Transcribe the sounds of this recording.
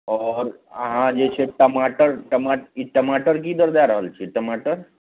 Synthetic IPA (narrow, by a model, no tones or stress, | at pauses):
ɔːɾ | ɦãd͡ʒet͡ʃʰeʈəmaːʈəɾʈəmaʈiʈəmaʈəɾk̬id̪əɾd̪aɾəɦəlt͡ʃʰieʈəmaʈəɾ